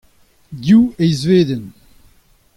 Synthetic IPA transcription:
djuejzveːd̪ən

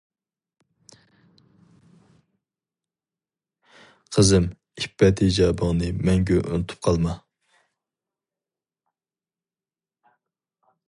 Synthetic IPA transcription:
qʰəzɪm | ipːɛt̪ʰɪd͡ʒɑbəŋnɨmɛŋɡʲøʔunɨt̪ʰu̥p̚qʰɑlˠmɑ

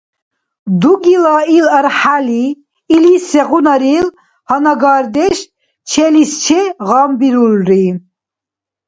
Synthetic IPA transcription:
d̪uɡilailəɾħaliː | lisɛʁunaɾil | hanaɡaːɾd̪ɛʃ | t͡ʃʰɛlist͡ʃʰɛʁambiɾulɾi

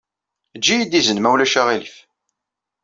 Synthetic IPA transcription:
d͡ʒːijid̪izənmæwlæʃaʁilḭf

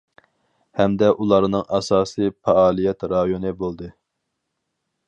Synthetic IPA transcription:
hɛmd̪ɛʔulˠɑɾnɨŋɑsɑːsɨpɛɑːlˠijɛt̪ɾɑjonɨbolˠd̪ɨ

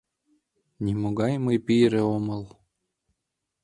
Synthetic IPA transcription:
nʲimoɣɑjməjpijɾeoməlˠ

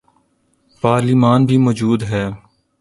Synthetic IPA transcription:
paːɾlimaːnbʱimɔːd͡ʒuːd̪ɦɛː

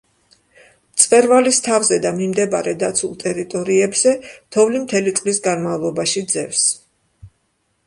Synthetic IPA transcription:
t̪sʼqʼɛɾvalist̪ʰavzɛd̪amimd̪ɛbaɾɛd̪at̪sʰulˠt̪ʼɛɾit̪ʼɔɾiɛbz̥ɛt̪ʰɔvlimt̪ʰɛlit̪sʼlisɡanmavlˠɔbaʃid̪zɛfs

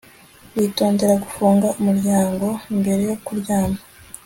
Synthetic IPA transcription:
wito̞ːnde̞ɾaɡufuːŋɡaʔumuɾɟaːŋɡo̞imbe̞ɾe̞jo̞kuɾɟaːma

